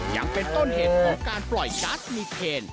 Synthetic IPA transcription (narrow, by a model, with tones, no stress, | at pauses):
ja̰˧ŋpe˧nt̪o˥˩nɦeː˨˩˦t̪̚kʰɔː˨˩˦ŋkaː˧nplɔ˨˩jkaː˦˥smiː˧eː˧n